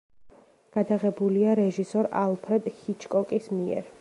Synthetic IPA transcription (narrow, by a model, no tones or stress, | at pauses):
ɡ̥ad̪aʁɛbuliaɾɛʒisɔɾalˠpʰɾɛd̪hit͡ʃʰkʼɔkʼismiɛ̰ɾ